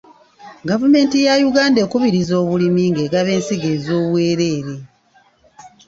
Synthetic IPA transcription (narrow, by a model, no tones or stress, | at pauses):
ɡavume̞ːntijajuɡaːnde̞ːkuβiɾizo̞ːβulimiŋɡe̞ːɡaβe̞ːnsiɡe̞zo̞ːβwe̞ːɾe̞ːɾe̞